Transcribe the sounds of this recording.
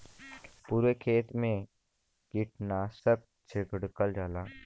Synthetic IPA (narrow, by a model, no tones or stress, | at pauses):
puːɾʋekʰeːt̪mẽ | kɪʈnaːsək̚ | t͡ʃʰɪkɽkəld͡ʒaːlaː